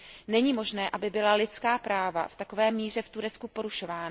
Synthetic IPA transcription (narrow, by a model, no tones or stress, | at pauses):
nɛɲiːmo̞ʒnɛːʔabɪbɪlalɪt͡skaːpɾaːva̰ft̪ako̞vɛːmiːr̝ɛft̪uɾɛt͡skupo̞ɾuʃo̞vaːna